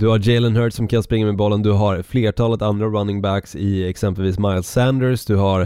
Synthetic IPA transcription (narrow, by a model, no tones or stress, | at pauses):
d̪ɵhad͡ʒɛɪlənɦœːɖsɔmkʰanspɾɪŋːameːd̪bɔlːənd̪ɵɦaɾfleːʈʰɑːlət̪and̪ɾaɾanːɪŋbæksɪɛksɛmpəlviːsmaɪlsænd̪əɾsd̪ɵhaɾ